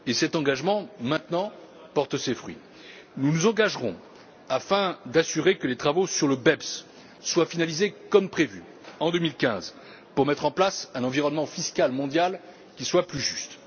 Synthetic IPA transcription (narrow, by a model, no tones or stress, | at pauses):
esɛt̪ɑ̃ɡaʒmɑ̃mɛ̃t̪nɑ̃ | pɔʁt̪sefχɥḭ | nunuzɑ̃ɡaʒʁɔ̰̃ | afɛ̃d̪asyʁekəlet̪χavosyʁləbɛbsː | wafinalizekɔmpχevy | ɑ̃d̪əmilkʲɛ̃z | puʁmɛt̪χɑ̃plasɛ̃nɑ̃viʁɔnmɑ̃fiskalmɔ̃d̪jal | kʲiswaplyʒyst̪